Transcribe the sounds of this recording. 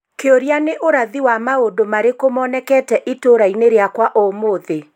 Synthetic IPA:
keoɾianeʔoɾaðiwamaodomaɾekomɔnɛkɛːtɛʔitoɾaineɾeakwaʔomoðe

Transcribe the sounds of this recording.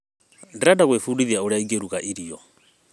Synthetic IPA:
ndiɾadaɣwefudiðiaoɾaiɡeɾuɣaʔiɾiɔ̰

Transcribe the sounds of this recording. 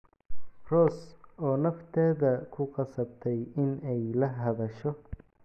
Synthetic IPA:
rɔːsɔːnɐft̪ʰɛːðɐkʰʊqɑsɐbt̪ʰɛjɪnɛjlɐɦɐðɐʃɔ

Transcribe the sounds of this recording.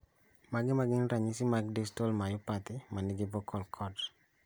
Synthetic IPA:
maɡɪmaɡɪnɾaɲisɪmaɡdistolmajʊpat̪ɪmanɪɡɪbɔkʰɔlkʰɔd

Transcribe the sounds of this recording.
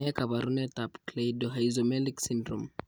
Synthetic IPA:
ɛkabaɾunɛtapklejdɔɦaizomɛliksindrṵm

